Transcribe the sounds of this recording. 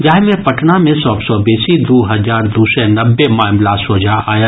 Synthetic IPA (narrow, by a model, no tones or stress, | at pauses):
d͡ʒaːɦmẽpɐʈnamẽsɔːbsɔbiːsid̪oːɦɐzaːɾd̪uːsɛnɐbːemaːmlasoːd͡ʒʱaʔaːja